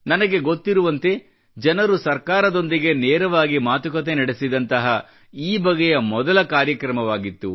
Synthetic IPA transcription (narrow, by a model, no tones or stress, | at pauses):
nɐnɐɡe̞ɡo̞t̪ːiɾuʋɐnt̪e̞ | d͡ʒɐnɐɾusɐɾkaːɾɐd̪o̞nd̪iɡe̞neːɾɐʋaːɡimaːt̪ukɐt̪̬e̞nɐɽe̞sid̪ɐnt̪ɐɦɐ | iːbɐɡɛjɐmɔd̪ɐlɐkaːɾjɐkɾɐmɐʋaːɡit̪ːu